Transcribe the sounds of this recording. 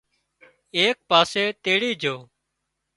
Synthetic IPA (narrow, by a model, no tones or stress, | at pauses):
eːk̚paːseːt̪eːɽiːd͡ʒʱoː